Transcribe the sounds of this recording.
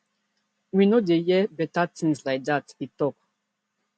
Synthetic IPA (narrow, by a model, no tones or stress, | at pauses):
winodejɛbɛtat̪ʰĩŋslaɪk̚d̪atitɔk